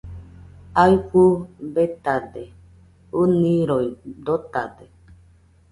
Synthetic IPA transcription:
aiɸubet̪ad̪e | unĩɾoid̪ot̪a̰d̪e

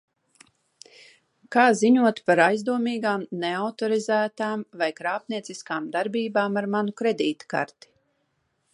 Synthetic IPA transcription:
kaːziɲuɔt̪paɾajzd̪uɔmiːɡaːmneawt̪ɔɾizæːt̪aːmvajkɾaːpniɛt̪siskaːmd̪aɾbiːbaːmaɾmanukɾed̪iːt̪ka̰ɾt̪i̥

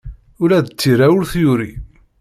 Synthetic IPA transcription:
ʊɾæðət͡sːiɾæwʊɾθjuɾi

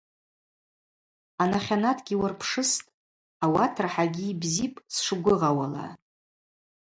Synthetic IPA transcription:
anaχʲanatʰʼɡʲiwarpʰʂɨstʼ | awatʰrħaɡʲiːbzipʼsʂɨɡʷʊʁawala̰

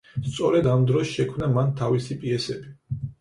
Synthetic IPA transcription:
st̪sʼɔɾɛd̪amd̪ɾɔsʃɛkʰmnamant̪ʰavisipʼiɛsɛbi

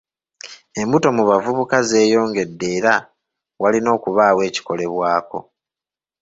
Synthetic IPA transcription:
e̞mbuto̞muβavuβukaze̞ːjo̞ːŋɡe̞dːe̞ːɾa | walino̞ːkuβaːwe̞ːci̥ko̞le̞βwaːko̞̰

